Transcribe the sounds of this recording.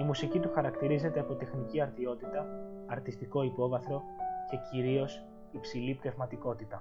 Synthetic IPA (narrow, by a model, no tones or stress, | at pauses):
imusicit̪uxɐɾɐkt̪iɾize̞t̪e̞ɐpo̞t̪e̞xniciɐɾðio̞t̪it̪ɐɐɾt̪ist̪iko̞ipo̞vɐθɾo̞ | ce̞ciɾio̞s | ipsilipne̞vmɐt̪iko̞t̪it̪ɐ